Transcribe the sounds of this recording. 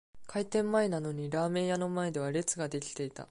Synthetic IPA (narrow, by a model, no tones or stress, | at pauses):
kʰait̪ẽ̞mːae̞nano̞ɲ̟iɾaːmẽ̞ɰjano̞mae̞d̪e̞β̞aɾe̞t͡sɨɡad̪e̞kʲi̥t̪e̞it̪a̰